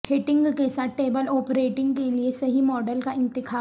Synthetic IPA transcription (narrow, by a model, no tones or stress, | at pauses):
pʰeːʈɪ̃ŋɡkesaʈeːbəlɔːpɾeːʈɪ̃ŋɡkeliesɐɦimɔːɖəlkaɪ̃nt̪ɪkʰaː